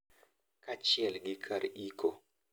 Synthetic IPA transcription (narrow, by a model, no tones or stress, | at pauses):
kat͡ʃɪɛlɡɪkʰaɾikʰo